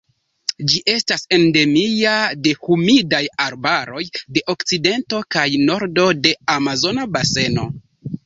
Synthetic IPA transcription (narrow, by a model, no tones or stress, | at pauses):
d͡ʒiʔe̞stase̞nde̞miade̞humidajaɾbaɾo̞jde̞ʔo̞kt͡side̞nto̞kajno̞ɾdo̞de̞amazo̞nabase̞no̞